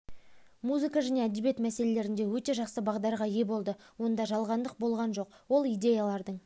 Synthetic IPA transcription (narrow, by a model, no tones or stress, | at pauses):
muzɨkɑʒæne̞æd̪ebje̞t̪mæse̞le̞le̞ɾɪnd̪e̞wɵt̪e̞ʒɑqsəbɑʁd̪ɑɾʁɑje̞bo̞lˠd̪əwo̞nd̪ɑʒɑlˠʁɑnd̪əq̚bo̞lˠʁɑnʒo̞qwo̞lˠijd̪e̞jalˠɑɾd̪əɴ